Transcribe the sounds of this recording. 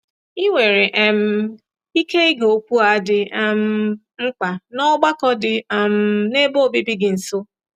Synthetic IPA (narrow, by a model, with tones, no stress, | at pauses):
i˦wʷe˨ɾe˨ʔɛ˨m̩˨˦ | i˦ke˦i˦ɡo˦kʷu˦a˨dɪ˨m̩˦ | ŋ͡m̩˦k͡pa˨nɔ˦ɡ͡ba˦kɔ˦dɪ˨m̩˦ne˦bo˦˨bi˦bi˦ɡɪ˨n̩˨so˦